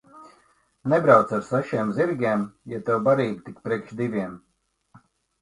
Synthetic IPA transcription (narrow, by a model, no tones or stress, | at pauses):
nɛbɾawt̪saɾsaʃiːmziɾɡʲɛːmjat̪ɛwbaɾiːbt̪ikpɾiɛkʃd̪ivʲiɛm